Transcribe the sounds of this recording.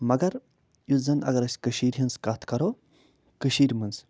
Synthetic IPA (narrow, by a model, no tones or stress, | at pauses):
mɐɡɐɾ | juzɐnʔɐ̰ɡɐɾɐsʲkɨʃiːɾʲɦinskat̪ʰkɐɾo | kɨʃiːɾʲmɨns